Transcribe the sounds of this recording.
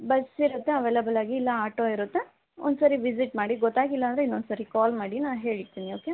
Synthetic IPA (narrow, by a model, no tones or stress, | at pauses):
bɐsiɾut̪ːeɐʋeːlɐbɐlaːɡiːlːɐaːʈoiɾut̪ːe | ond̪usɐɾiʋisiʈ̚maːɽiɡɔt̪ːaːɡilːɐːnd̪ɾeinːond̪sɐɾikaːlmaːɽinaːnɦeːɭiɾt̪iːnioːke